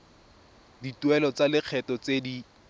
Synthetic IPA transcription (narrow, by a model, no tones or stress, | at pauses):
ditwɛlɔt͡salɪq͡χʰɛtɔt͡sedi